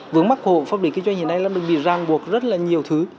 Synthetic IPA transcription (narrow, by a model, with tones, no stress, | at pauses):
vɨ˨˦əŋma˦˥k̚ho̰˧˨faː˧˥p̚li˨˩ki˧nza˧jŋhi˧˩na˧jlaː˧˥ɗɨ˨˩ɓḭ˧˨zaː˨˩ŋɓu˨˩ək̚zə˦˥t̚laː˨˩ɲi˨˩əwt̪ʰɨ˨˦